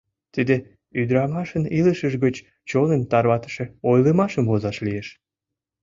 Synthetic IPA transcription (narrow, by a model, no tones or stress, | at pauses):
t̪id̪e | yd̪ɾɑmɑʃəniləʃəʃɣət͡ɕ | t͡ɕonənt̪ɑrβɑt̪ə̥ʃeojləmɑʃəmvozɑʃlijeʃ